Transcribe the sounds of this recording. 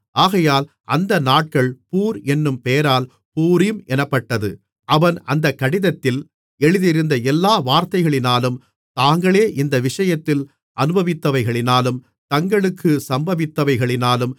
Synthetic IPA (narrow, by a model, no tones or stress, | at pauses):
ʔaːɣɐjaːl | ʔɐnd̪ɐnaːʈ̚kɐɭpuːɾɛnːɯmpeːɾaːl | puːɾɪjɯmʔɛnɐpːɐʈːɐðɯ | ʔɐʋɐnɐnd̪ɐkːɐɽɪðɐt̪ːɪl | ɛɻɯðɪɾɯnd̪ɐɛlːaːʋaːɾt̪ɐɪɣɐɭɪnaːlɯm | t̪aːŋɡɐɭeːʔɪnd̪ɐʋɪʂɐjɐt̪ːɪl | ʔɐnɯbɐʋɪt̪ːɐʋɐɪɣɐɭɪnaːlɯm | t̪ɐŋɡɐɭɯkːɯsɐmbɐʋɪt̪ːɐʋɐɪɣɐɭɪnaːlɯm